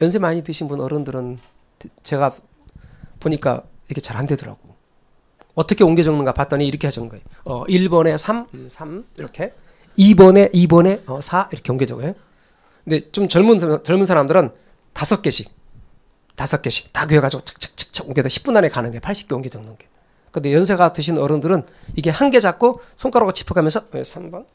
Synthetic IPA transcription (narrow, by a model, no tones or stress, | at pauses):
jʌnsʰemaɲitɯɕʰinbunʌɾɯndɯɾɯn | tt͡ɕe̞ɡa | poɲik͈a̰iɾʌkʰe̞t͡ɕaɾhande̞dɯɾa̰ɡ̥o | ʌt͈ʌkʰe̞oŋɡe̞d͡ʑʌŋnɯnɡapat̚t͈ʌɲiiɾʌkʰehaʌnɯnɡʌ̰eoʌʔiɭbʌne̞sʰamsʰamiɾʌkʰe̞ | ibʌne̞ʔibʌne̞ʌsʰaiɾʌkʰeoŋɡed͡ʑʌɡojo | kɯnde̞t͡ɕomt͡ɕʌɭmunʰt͡ɕʌɭmunsʰaɾamdɯɾɯn | tasʰʌk͈̚e̞ɕʰik̚ | tasʰʌk͈e̞ɕʰi̥k̚takeeɡad͡ʑiɡot͡ɕʰkt͡ɕʰɯ̥k̚t͡ɕʰɯ̥k̚t͡ɕʰoŋɡedoɕʰi̥p̚p͈unːane̞kanɯnɡʌepʰaɭɕ͈i̥p̚k͈eoŋɡed͡ʑʌŋnɯnɡa | kɯnde̞jʌns̬ʰe̞ɡatweɕʰinʌɾɯndɯɾɯn | iɡe̞hanɡe̞d͡ʑak̚k͈osʰoŋk͈aɾaɡot͡ɕʰi̥pʰɯkamjʌnsʰʌesʰambʌn